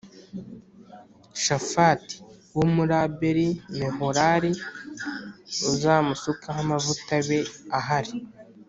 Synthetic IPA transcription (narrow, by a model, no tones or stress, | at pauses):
ʃafati̥wumuɾabeɾineɦoɾaɾi | uzaːmusukaɦamavutaβeaɦaɾi